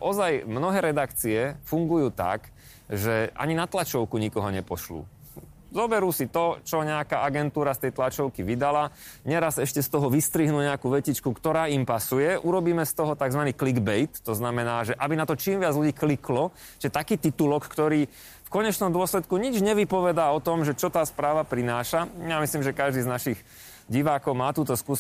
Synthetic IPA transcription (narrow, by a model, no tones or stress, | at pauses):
ʔɔzajmnɔɦɛːɾɛd̪akt͡siɛfuŋɡujuːt̪a̰k | ʒɛʔa̰ɲinat̪lat͡ʃɔʊkuɲikɔɦɔɲɛpɔʃlṵː | zɔbɛɾuːsit̪ɔt͡ʃɔɲɛakaaɡɛnt̪uːɾast̪ɛjt̪lat͡ʃɔʊkiʋid̪ala | ɲɛɾasɛʃcɛst̪ɔɦɔʋist̪ɾiɦnuːɲɛakuːʋɛcit͡ʃkukt̪ɔɾaːimpasujɛʔuɾɔbiːmɛst̪ɔɦɔt̪aɡzʋaniːkliɡbɛjt̪ːɔznamɛnaːʒɛʔabinat̪ɔt͡ʃiːmʋɪad͡zluɟiːkliklɔ | t͡ʃʒɛt̪akiːt̪it̪ulɔkkt̪ɔɾiː | fkɔɲɛt͡ʃnɔmd̪ʊɔslɛt̪kuɲid͡ʒɲɛʋipɔʋɛd̪aːɔt̪ɔmʒɛt͡ʃɔt̪aːspɾaːʋapɾinaːʃajamisliːmʒɛkaʒd̪iːznaʃix | ɟiʋaːkɔʊmaːt̪uːt̪ɔsku